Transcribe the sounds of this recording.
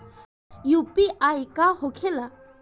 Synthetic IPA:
jupiʔajkahokʰɛla

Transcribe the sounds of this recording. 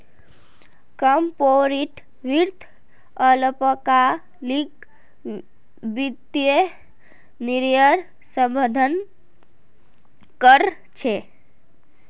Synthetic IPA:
kəmpoɾiʈ | ʋiɾt̪ʰ | ələpəka | lik | bid̪je | niɾjəɾ | səmbəd̪ʱən | kəɾ | t͡ʃʰe

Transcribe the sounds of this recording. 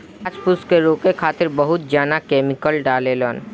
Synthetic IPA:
d͡ʒpʊskeɾoːkekʰaːt̪ɪɾbəɦʊt̪̚d͡ʒaːnakeːmɪkəlɖaːlelɔːn

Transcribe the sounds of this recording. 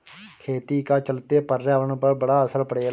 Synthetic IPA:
kʰeːt̪iːkaːt͡ʃəlt̪eːpəɾːaːʋəɳpəbəɽaːəsəɾpəɽeː

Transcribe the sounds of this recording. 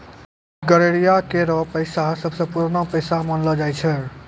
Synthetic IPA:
ɡəɾeɾijakeɾɔpəjsaɦsəbʱsə̃puɾnəpəjsamənlɔd͡ʒajt͡ʃʰɛ

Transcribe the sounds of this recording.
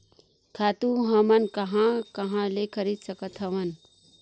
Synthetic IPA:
kʰaːt̪ũɦɐmənkɐɦãkɐɦãlekʰəɾid̪səkət̪ʰɦɐmən

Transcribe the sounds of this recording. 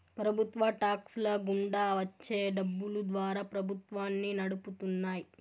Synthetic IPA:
pɾɐbʱut̪ʋɐʈaːkslɐɡuɳɖaːʋɐt͡ʃːe̞ːɖɐbːulud̪ʋaːɾaːpɾɐbʱut̪ʋaːnːinɐɽuput̪unːaːji

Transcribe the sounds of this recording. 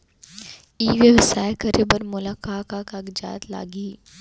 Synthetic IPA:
iːʋeʋɪsaːekəɾebɐɾmʊlaːkaːkakaɡd͡ʒa̰ːt̪la̰ːɡiː

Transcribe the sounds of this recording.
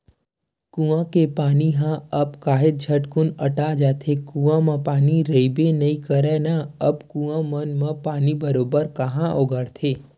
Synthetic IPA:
kũãkepaːniɦãəbkaːɦɪt̪̚d͡ʒʱəʈkʊnəʈad͡ʒaːt̪ʰekũãmãpaːniɾəibenəĩkəɾɛnaəbkũãmənmãpaːnibəɾoːbəɾkəɦãʔoɡəɾt̪ʰeː

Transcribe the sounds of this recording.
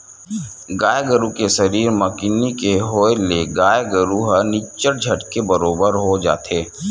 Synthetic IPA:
ɡaːjɡəɾukesɐɾiːɾmɐkinikeɦoːeleɡaːjɡəɾuɦənit͡ʃəɾd͡ʒʱɐʈkebɐɾoːbəɾɦod͡ʒa̰ːt̪eː

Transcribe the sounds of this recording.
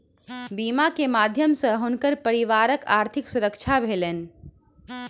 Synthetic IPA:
bimakemad̪ʱjəmsə̃ɦunkəɾpəɾiʋaɾəkaɾt̪ʰiksuɾəkt͡ʃʰabʱelen̆

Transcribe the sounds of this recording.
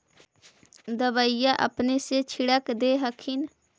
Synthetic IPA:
d̪əʋəɪjaʔə̰pneset͡ʃʰɪɽəkd̪eɦəkʰɪn

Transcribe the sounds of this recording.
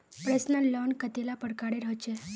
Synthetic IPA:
pɾesnəlɔnkət̪elapəɽkaɽeɾəɦt͡ʃʰe

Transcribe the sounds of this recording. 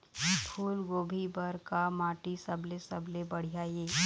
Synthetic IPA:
pʰuːlɡoːbʱibəɾkamãːʈisɐbʱlesɐblebɐɽ̤ijajeː

